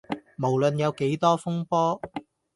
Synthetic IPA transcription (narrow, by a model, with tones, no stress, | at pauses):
mo˨˩wlɵ˨njɐ˨˧wke˨˥jt̪ɔː˥fʊ˥ŋpɔː˥